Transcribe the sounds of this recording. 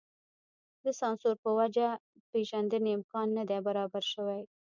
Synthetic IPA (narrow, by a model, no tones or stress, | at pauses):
d̪əsɑnsʊɾpəwad͡ʒa | peʒand̪əneɪmkɑnːad̪ɛbaɾɑbaɾʃəwaj